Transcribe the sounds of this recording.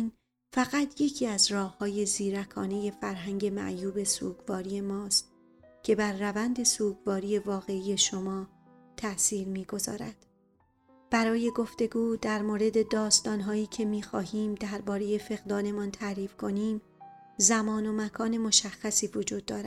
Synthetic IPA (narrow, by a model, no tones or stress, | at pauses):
n | fæɣæt̪ʰje̞cʰiːæzrɒːhhɒːje̞ziːɾækʰɒːne̞je̞fæɾɦæŋɟe̞mæ̰ʔjuːbe̞suːɡvɒːɾije̞mɒːst̪̚ | cʰe̞bæɾːævænd̪e̞suːɡvɒːɾiːje̞vɒːɣe̞ije̞ʃo̞mɒː | t̪ʰæʔsiːɾmiːɡo̞zɒ̰ːɾæ̰d̪̥ | b̥æɾɒːje̞ɡo̞ft̪e̞ɡuːd̪æɾmoːɾe̞d̪e̞d̪ɒːst̪ɒːnɦɒːiːcʰe̞miːxɒːɦiːmd̪æɾbɒːɾe̞je̞fe̞ɣd̪ɒːne̞mɒːnt̪ʰæɾiːfkʰo̞niːm | zæmɒːno̞mækʰɒːne̞mo̞ʃæxːæsiːvod͡ʒuːd̪̥̚ːɒːɾæ̥